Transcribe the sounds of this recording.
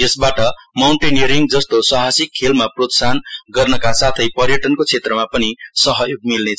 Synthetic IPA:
jʌsbaʈʌmawɳʈenjʌɾiŋɡd͡zʌst̪osʌɦasikʰːelmaprot̪sanɡʌrnʌkasat̪ʰʌjpʌrjʌʈʌnkot͡sʰet̪rʌmapʌnisʌɦʌjoɡ̚milnet͡sʰ

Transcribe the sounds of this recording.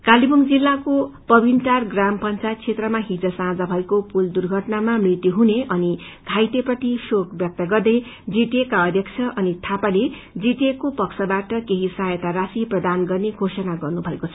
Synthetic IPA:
kalibumd͡zilːakopʌbinʈarɡrampʌnt͡sajt̪̚t͡sʰet̪rʌmaɦid͡zʌsãd͡zʌbʱʌekopuld̪urɡʱʌʈnamamrit̪jiɦuneʔʌni | ɡʱajt̪eprʌt̪isokbjʌk̚t̪ʌɡʌrd̪ʌj | d͡ziʈekaʌd̪ʱjʌkt͡sʰʌʔʌnit̪ʰapale | d͡ziʈekopʌksʰʌbaʈʌkeɦisajʌt̪aɾasiprʌd̪anɡʌrneɡʱosʌnaɡʌrnubʱʌekot͡sʰʌ̥

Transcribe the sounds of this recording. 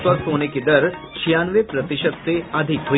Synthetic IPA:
pəɾsoːneked̪ɐɾ | t͡ʃʰijaːnʋepɾɐt̪ɪʃət̪seɐd̪ʱɪkɦo

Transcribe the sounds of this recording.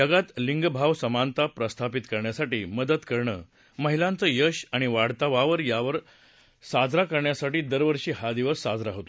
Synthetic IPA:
əɡat̪liŋɡbʱaʋsəmant̪apɾəst̪ʰapit̪kəɾɳjasaʈiːməd̪ət̪kəɾɳəː | məɦilant͡səːjəɕaɽ̃iʋaɽ̤t̪aʋaʋəɾjaʋəɾ | sad͡zɾakəɾɳjasaʈiːd̪əɾʋəɾɕiːɦad̪iʋəɾsːad͡zɾaɦot̪o

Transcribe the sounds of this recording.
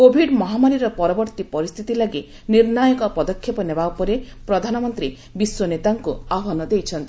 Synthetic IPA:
kobʱiɖmɔɦamaɾiɾɔpɔɾɔbɔɾt̪ipɔɾist̪ʰit̪ilaɡi | niɾnajɔkɔpɔd̪ɔkʰːjɔpɔnebaupɔɾepɾɔd̪ʱanɔmɔnt̪ɾi | biswɔnet̪aŋkuaɦɔnɔd̪ejt͡ʃʰɔnt̪i

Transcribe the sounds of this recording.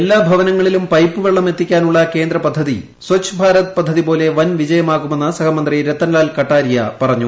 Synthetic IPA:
elːaːbʱɐʋɐnɐŋːɐɭilumpɐjpːɨʋeɭːɐme̞t̪ːikʲːaːnuɭːɐke̞ːnd̪ɾɐpɐd̪ʱːɐði | swɐkɕʰɐbʱaːɾɐt̪pɐd̪ʱːɐðipo̞ːle̞ʋɐnʋid͡ʑɐjɐmaːɣume̞nːɐsɐkʰɐmɐnd̪riɾet̪ːɐnlaːlkɐʈːaːɾijɐpɐrɐɲːu

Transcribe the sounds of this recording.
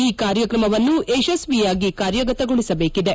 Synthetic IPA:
iːkaːɾjɐkɾɐmɐʋɐnːuʔeʃesʋijaːɡikaːɾjɐɡɐt̪ɐɡoɭisɐbe̞ːkid̪e̞

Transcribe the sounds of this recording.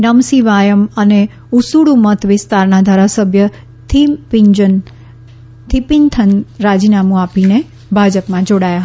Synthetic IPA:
nəmsiʋajəməne | usuɽumət̪ʰʋɪst̪aɾnad̪ʱaɾasəbʱjə | t̪ʰipiɲd͡ʒən | t̪ʰipint̪ʰənɾad͡ʒinamũapine | bʱad͡ʒəpmãd͡ʒoɽajaɦ

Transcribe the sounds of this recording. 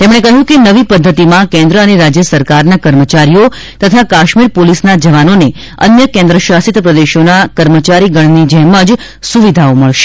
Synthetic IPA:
t̪emɽ̃ekəɦũkenəʋipəd̪ʱːət̪imãkɛ̃nd̪ɾəəneɾad͡ʒjəsəɾkaɾnakəɾmət͡ʃaɾijo | t̪ət̪ʰakaʃmiɾpolisnad͡ʒəʋanone | ə̰njəkɛ̃nd̪ɾəʃasit̪pɾəd̪eʃonakəɾmət͡ʃaɾiɡəɳ̃nid͡ʒɛɦməd͡ʒ | suʋid̪ʱaoməɭʃe̥

